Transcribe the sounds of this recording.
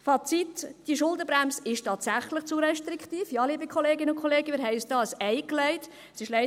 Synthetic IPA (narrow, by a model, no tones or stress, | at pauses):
fɑt͡sitd̥iʃʊldəbɾæmsɪʃtɑːt̪sæχləχt͡suɾɛʃtɾikχtiːfjɑːliːbikχɔleːɡɪnəʊnkʰoleːɡəmɪːɾɦɛɪyːsd̥ɑːsɛɪklɛɪt | sɪʃlɛɪ